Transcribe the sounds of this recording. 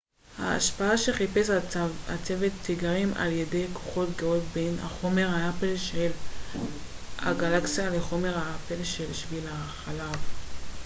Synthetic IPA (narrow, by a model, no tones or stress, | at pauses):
ha̰a̰ʃpaaʃe̞χipesat͡sevetːiɡaʁimʔa̰ljedejkʰo̥χo̞tɡeotbe̞jnha̰χo̞me̞ʁhaapelʃel | ha̰ɡalaksialeχo̞me̞ʁhaapelʃelʃvila | χalav